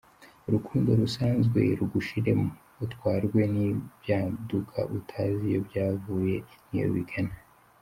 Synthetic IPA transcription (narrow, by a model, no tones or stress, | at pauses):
uɾukʰuːndo̞ɾusaːnzɡwe̞̰ɾuɡuʃiɾe̞m | utkwaːɾɡwe̞nibjaːdukʰa̰ʔutʰaːzijo̞bjaːvuːje̞nijo̰βḭɡana